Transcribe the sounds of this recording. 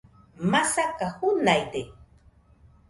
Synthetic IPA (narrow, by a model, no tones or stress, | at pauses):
masakaxunajt̪e